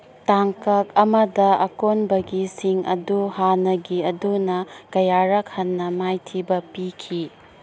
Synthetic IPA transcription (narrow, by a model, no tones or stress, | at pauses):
taŋkɐk̚ɐmɐdɐʔɐ̰konbɐɡisiŋʔɐ̰duhanɐɡiɐdunɐkɐjaɾɐk̚hɐnːɐmajtʰibɐpikʰi